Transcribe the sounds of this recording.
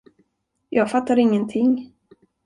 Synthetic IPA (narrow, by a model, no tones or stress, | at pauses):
jɑːɡfat̪ːaɾɪŋːənt̪ʰɪŋ